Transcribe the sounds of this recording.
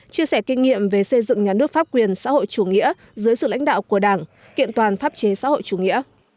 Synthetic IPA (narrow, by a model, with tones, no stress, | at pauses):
t͡ɕi˧əsɛ˧˩kï˧ŋ̟ŋḭ˧˨əmve˨˩sə˧jzɨ̰˧˨ŋɲaː˨˩nɨ˦˥ək̚faː˦˥p̚kwi˨˩ənsa̰ː˧˥ho̰˧˨jt͡ɕu˧˩ŋḭ˧˥ə | zɨ˨˦jsɨ̰˧˨la̰˧˥jŋ̟ɗa̰ː˧˨wku˧˩əɗaː˧˩ŋ | kḭ˧˨ənt̪waː˨˩nfaː˦˥p̚t͡ɕe˨˦sa̰ː˧˥ho̰˧˨jt͡ɕu˧˩ŋḭ˧˥ə